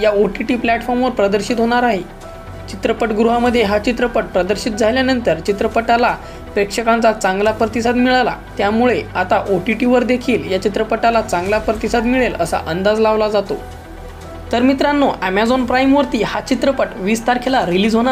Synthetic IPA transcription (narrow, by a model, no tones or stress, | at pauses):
jaoʈiʈiːplæʈfɔɾmʋəɾpɾəd̪əɾɕit̪ɦoɽ̃aɾaɦe | t͡ɕit̪ɾəpəʈɡɾuɦaməd̪ʱːjeɦat͡ɕit̪ɾəpəʈ̚pɾəd̪əɾɕit̪̚d͡zʱaljanənt̪əɾt͡ɕit̪ɾəpəʈala | pɾekʂəkant͡sat͡saŋɡlapɾət̪isad̪miɭala̰t̪jamuɭeat̪aʔoʈiʈiʋəɾd̪ekʰiːljat͡ɕit̪ɾəpəʈalat͡saŋɡlapɾət̪isad̪miɭeləsa̰ʔənd̪ad͡zlaʋlad͡zat̪o̰ | t̪əɾmit̪ɾanːoʔæmæd͡zonpɾajmʋəɾt̪iːhat͡ɕit̪ɾəpəʈʋist̪aɾkʰelaɾiliːd͡zɦoɽ̃a